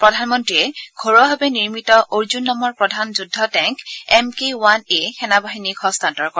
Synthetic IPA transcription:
pɹɔdʱanmɔntɹiɛɡ̥ʱɔɹɔɦabɛniɹmitɔʔoɹzunːɔmɔɹpɹɔdʱanzudʱːɔtɛ̃ŋkɛmkewanexɛnabaɦinikhɔstantɔɹkɔɹ

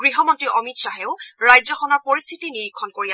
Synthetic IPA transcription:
ɡ̥ɹiɦɔmɔntiʔɔmitsaɦɛʊɹajzɔxɔnɔɹpoɹist̪ʰitiniɹikʰːɔnkoɹia

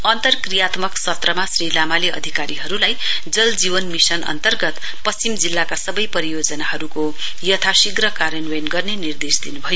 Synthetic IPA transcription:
ʌnt̪ʌrkrijat̪mʌksʌt̪rʌmasrilamaleʌ̰d̪ʱikaɾiɦʌɾulaj | d͡zʌld͡zibʌnmisʌnʌ̰nt̪ʌrɡʌt̪ | pʌst͡ɕimd͡zilːakasʌbʌjpʌɾijod͡zʌnaɦʌɾuko | jʌt̪ʰasiɡrʌkaɾʌnwenɡʌrnenird̪esd̪inubʱʌjo

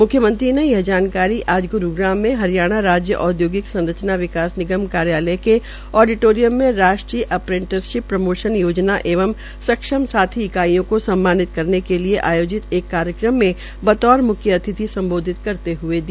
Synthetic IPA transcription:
mʊkʰːjəmə̃nt̪ɾinejɐɦd͡ʒaːnkaːɾiʔaːd͡ʒɡʊɾuɡɾaːmːẽɦɐɾijaːɽ̃aɾaːd͡ʒjə̰ʔɔːd̪joːɡɪksɐ̃nɾət͡ʃnaʋɪkaːsnɪɡəmkaːɾjaːləke | ɔːɖɪʈoːɾijəmːẽɾaːʃʈɾiːʔɐpɾɪ̃ɳʈəɾʃɪpːɾɐmoːʃənjoːd͡ʒnaʔeːʋəm | sɐkʃəmsaːt̪ʰiɪkaːijõkosɐ̃mːaːnɪt̪̚kɐɾnekelieʔaːjoːd͡ʒɪt̪eːkːaːɾjəkɾəmːẽ | bɐt̪ɔːɾmʊkʰjəɐt̪ʰɪt̪isɐ̃mboːd̪ʱɪt̪kɐɾt̪eɦʊed̪i

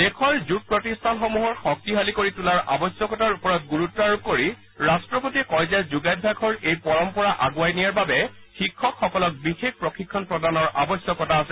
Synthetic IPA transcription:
dekʰɔɹzut̚pɹɔtistʰanxɔmuɦɔɹxɔk̚tiɦalikoɹitulaɹʔa̰bɔsjɔkɔtaɹupɔɹɔt̚ɡuɹutːɔaɹub̚koɹi | ɹastɹɔpotiɛkɔɹzazuɡajd̚bʱakʰɔɹejpɔɹɔmpɔɹaʔaɡʊajnijaɹbabɛ | xikʰːɔkxɔkɔlɔk̚bixek̚pɹɔxikʰːɔnpɹɔdanɔɹʔa̰bɔsjɔkɔtaːsɛ

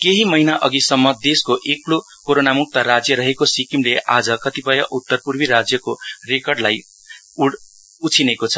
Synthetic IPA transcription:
keɦimʌɦinaʔʌɡisʌmːʌd̪eskoʔeklo | koɾonamuk̚t̪ʌɾad͡zjʌɾʌɦekosikimleʔad͡zʌkʌt̪ipʌjʌʔut̪ːʌrpurbiɾad͡zjʌkorekʌrɖlaj | uɽ | ut͡sʰinekot͡sʰʌ̥

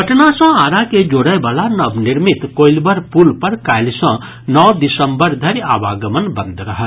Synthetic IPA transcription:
pəʈnasə̃aːɾaked͡ʒoːɽəbaːlanɐbnɪɾmɪt̪koːɪlbəɾpuːlpəɾkaːɪlsə̃ | nɔːd̪ɪsə̃mbəɾd̪ʱəɾa̰ːbaːɡəmənbə̃nd̪ʱɾɐɦə

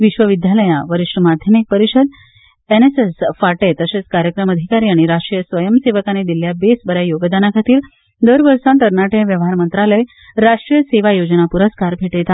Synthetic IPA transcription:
ʋiɕʋəʋid̪ʱjaləjãʋəɾiʂʈəmad̪ʱjəmek̚pəɾiɕəd̪ | enesesfaʈet̪əset͡skaɾjəkɾəməd̪ʱikaɾiaɽ̃iɾaʂʈɾijəsʋəjəmseʋəkaned̪iljabesbəɾjajoɡd̪anakʰat̪iːɾ | d̪əɾʋəɾsãt̪əɾɳaʈeʋjəʋɦaɾmənt̪ɾaləj | ɾaʂʈɾijəseʋajod͡ʑənapuɾəskaɾbʱeʈet̪ʰa

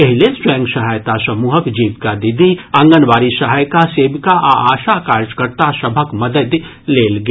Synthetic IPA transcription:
ɐɦɪlesɾɛ̃ːŋɡʃɐɦajt̪asɐmuːɦəkd͡ʒiːʋkad̪ɪd̪ʱiɐ̃ŋɡənʋaːɾiʃɐɦajkaseːbkaʔa̰aːʃakaːɾd͡ʒkəɾt̪aʃɐbʱəkmɐd̪əd̪ | leːlɡ

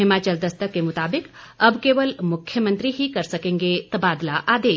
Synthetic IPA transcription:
ɦɪmaːt͡ʃɐld̪ɐst̪əkːemʊt̪aːbɪkɐbkeːʋəlmʊkʰjəmə̃nt̪ɾiɦikɐɾsɐkẽːŋɡet̪ɐbaːd̪laʔaːd̪eː

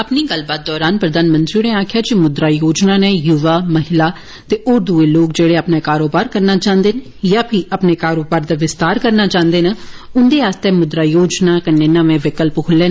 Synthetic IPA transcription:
əpniːɡəlbaːt̪̚d̪ɔːɾaːnpɾəd̪aːnmə̃nt̪ɾiːneːaːkʰjaːd͡ʒimʊd̪ɾaːjoːd͡ʒnaːnẽːjuʋaːməɦɪlaː | t̪eːʔoːɾd̪uːeːloːkd͡ʒeːɽeːəpnaːkaːɾoːbaːɾkəɾnaːt͡ʃãːnd̪eːn | jaːpʰɪʔəpneːkaːɾoːbaːɾd̪aːʋɪst̪aːɾkəɾnaːt͡ʃãːnd̪eːnaːʊnd̪eːaːst̪eːmʊd̪ɾaːjoːd͡ʒnaːkənːẽːnəʋẽːʋɪkəlpkʰʊleːn

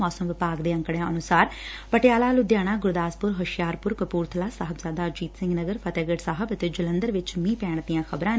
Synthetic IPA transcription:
ɔːsəmʋɪpaːɡd̪eːə̃ŋkɽjãːʔənʊsaːɾpəʈjaːlaːlʊd̪jaːɽ̃aːɡʊɾd̪aːspʊɾɦəʃjaːɾpʊɾkəpuːɾt̪ʰəlaːsaɦəbzaːd̪aːd͡ʒiːt̪sɪ̃ŋɡnəɡəɾpʰət̪ɛːɡəʈsaːɦəbət̪eːd͡ʒɪlə̃nd̪əɾʋɪt͡ʃmĩːpɛːɳ̃d̪ijãːxʰəbɾãː

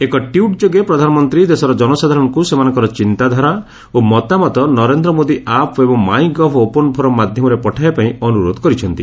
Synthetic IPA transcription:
ekɔʈiuʈd͡ʒoɡepɾɔd̪ʱanɔmɔnt̪ɾid̪esɔɾɔd͡ʒɔnɔsad̪ʱaɾɔŋkusemanɔ̃ŋkɔɾɔt͡ʃint̪ad̪ʱaɾa | omɔt̪amɔt̪ɔnɔɾend̪ɾɔmod̪iapʰebɔŋmaj̃ɡɔbʰɔopɔnɔpʰɔɾɔmad̪ʱjɔmɔɾepɔʈʰajapaĩɔnuɾod̪ʱɔ̥kɔɾit͡ʃʰɔnt̪i

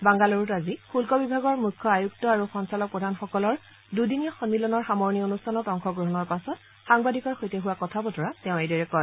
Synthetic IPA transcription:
baŋɡaloɹutazixulkɔbibʱaɡɔɹmukʰːɔajuktɔaɹuxɔnsalɔk̚pɹɔdʱanxɔkɔlɔɹ | dudiniɔxɔnmilɔnɔɹxamɔɹnionustʰanɔtɔŋxɔɡɹoɦɔnɔɹpasɔt | xaŋbadikɔɹxojtɛɦuwakɔtʰabɔtʰɔɹatɛʊ̃edɔɹɛkɔ

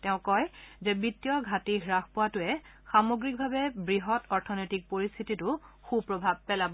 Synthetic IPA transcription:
tɛʊ̃kɔjzɛbitːijɔɡʱatiɡɹaxpɔwatʊɛxamoɡɹik̚bʱabɛbɹiɦɔtʰɔɹtʰɔnɔjtik̚poɹist̪ʰititʊxubpɹobʱab̚pɛlabɔ

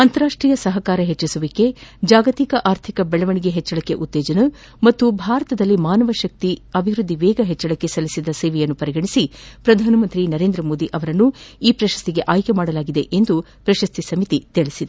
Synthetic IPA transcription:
ɐnt̪ɐɾaːʂʈɾiːjɐsɐɦɐkaːɾɐɦet͡ʃːɐsuʋikːe̞d͡ʒaːɡɐt̪ikɐʔaːɾt̪ʰikɐbɛɭɐʋɐɳiɡe̞ɦɛt͡ʃːɐɭɐkːe̞̰ʔut̪ːeːd͡ʒɐnɐ | mɐt̪ːubʱaːɾɐt̪ɐd̪ɐlːimaːnɐʋɐʃɐk̚t̪iɐbʱiʋɾud̪ʱːiʋɛːɡɐɦet͡ʃːɐɭɐkːesɐlisid̪ɐseːʋɛjɐnːupɐɾiɡɐɳisipɾɐd̪ʱaːnɐmɐnt̪ɾinɐɾe̞ːnd̪ɾɐmo̞ːd̪iʔɐʋɐɾɐnːuiːpɾɐʃɐ̥st̪iɡe̞ʔaːjkemaːɽɐlaːɡid̪e̞ʔend̪u | pɾɐʃɐst̪isɐmit̪it̪iɭisid̪e

